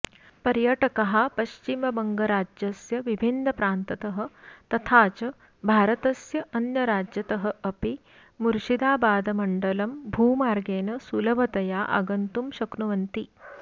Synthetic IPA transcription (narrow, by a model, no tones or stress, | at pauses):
pɐɾjɐʈɐkɐɦapɐɕt͡ʃimɐbɐŋɡɐɾaːd͡ʒjɐsjɐʋibʱinːɐpɾaːnt̪ɐt̪ɐɦɐ̆t̪ɐt̪ʰaːt͡ʃɐ | bʱaːɾɐt̪ɐsjɐʔɐnjɐɾaːd͡ʑjɐt̪ɐɦɐ̆ɐpi | muɾʂid̪aːbaːd̪ɐmɐɳɖɐlɐmbʱuːmaːɾɡeːnɐsulɐʋɐt̪ɐjaːʔɐ̰ɡɐnt̪umɕɐknuʋɐnt̪i